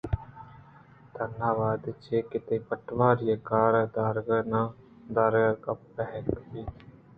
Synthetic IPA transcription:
d̪ənaːʋaːd̪t͡ʃʰeːkɪt̪eːpəʈʋaːɾɪjəkaːɾɛːd̪aːɾɡənãː | d̪aːɾɡaːkapːɛɦɛkbiː

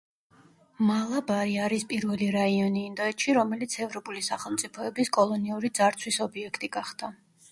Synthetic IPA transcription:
malˠabaɾiaɾispʼiɾvɛliɾaiɔniːnd̪ɔɛt̪ʃiɾɔmɛlit̪sʰɛvɾɔpʼulisaχɛlˠmt̪sʼipʰɔɛbiskʼɔlˠɔniuɾid̪zaɾt̪sʰwisɔbiɛkʰt̪ʼiɡaχd̪̥a

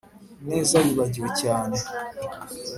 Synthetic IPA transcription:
ne̞ːzajiβaɟiwecaːne

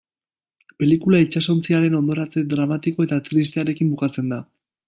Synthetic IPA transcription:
pe̞likulait͡ʃaso̞nt͡siaɾe̞no̞nd̪o̞ɾat͡se̞d̪ɾamat̪iko̞e̞t̪at̪ɾis̬t̪eaɾe̞kimbukat͡se̞nd̪a

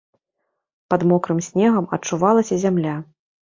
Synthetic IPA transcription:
pɐd̪mɔkɾɨmsʲnʲɛɣɐmɐt͡ʂuvalˠɐsʲɐzʲamlʲa

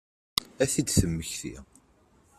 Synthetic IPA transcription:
æθid̪θəmːəçθḭ

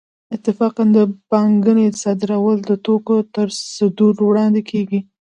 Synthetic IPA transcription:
ɪt̪ːɪfɑqand̪əbɑŋɡənesɑd̪ɪɾawəld̪ət̪okot̪əɾsəd̪uɾwɽɑnd̪ekʰeɡi

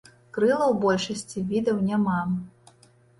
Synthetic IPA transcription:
kɾɨlˠɐwbɔlʲʂɐsʲt͡sʲivʲid̪ɐwnʲama

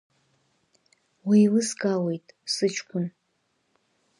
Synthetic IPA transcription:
wijlɨsɡawe̞jtʼsɨt͡ʃʰkʷʰʊn

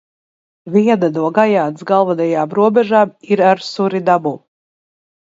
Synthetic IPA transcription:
viɛd̪ad̪uɔɡajaːt̪sɡalˠvad̪ɛjaːmɾuɔbɛʒaːmiɾaɾsuɾid̪abu

